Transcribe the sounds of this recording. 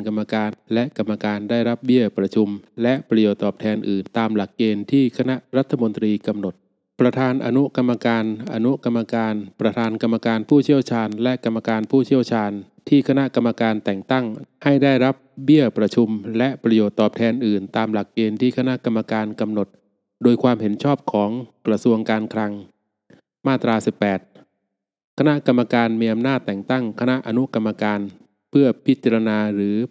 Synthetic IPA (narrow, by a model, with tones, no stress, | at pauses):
ka˧mːa˧kaː˧nlɛ˦˥ʔka˧mːa˧kaː˧ndaː˥˩jɾa˦˥p̚bi˥˩əpɾa˧t͡ɕʰu˧mlɛ˦˥ʔpɾa˧joː˨˩t̪ːɔː˨˩p̚t̪ʰɛː˧nʔɯː˨˩nt̪aː˧mla˨˩kːeː˧nt̪ʰiː˥˩kʰa˧na˦˥ʔɾa˦˥t̪ʰːa˧mo˧nt̪ɾiː˧ka˧mno˨˩t̪̚ | pɾa˧t̪ʰaː˧nʔa̰˧nu˦˥ka˧mːa˧kaː˧nʔa˧nu˦˥ka˧mːa˧kaː˧npɾa˧t̪ʰaː˧nka˧mːa˧kaː˧npʰuː˥˩t͡ɕʰi˥˩əwt͡ɕʰaː˧nlɛ˦˥ʔka˧mːa˧kaː˧npʰuː˥˩t͡ɕʰi˥˩əwt͡ɕʰaː˧n | t̪ʰiː˥˩kʰa˧na˦˥ʔka˧mːa˧kaː˧nt̪ɛ˨˩ŋt̪a˥˩ŋha˥˩jdaː˥˩jɾa˦˥p̚bi˥˩əpɾa˧t͡ɕʰu˧mlɛ˦˥ʔpɾa˧joː˨˩t̪ːɔː˨˩p̚t̪ʰɛː˧nʔɯː˨˩nt̪aː˧mla˨˩k̚ːeː˧nt̪ʰiː˥˩kʰa˧na˦˥ʔka˧mːa˧kaː˧nka˧mno˨˩t̪̚ | doː˧jkʰwaː˧mɦe˩˦nt͡ɕʰɔː˥˩p̚kʰɔː˩˦ŋkɾa˧su˧əŋkaː˧nkʰɾa˧ŋ | maː˥˩t̪ɾaː˧si˨˩pːɛː˨˩t̪̚ | kʰa˧na˦˥ʔka˧mːa˧kaː˧nmiː˧ʔa˧mnaː˥˩t̪ːɛː˨˩ŋt̪a˥˩ŋkʰa˧na˦˥ʔa˧nu˦˥ʔka˧mːa˧kaː˧n | pʰɯ˥˩ɐpʰi˦˥t̪̚t͡ɕa˧ɾa˧naː˧ɾɯː˩˦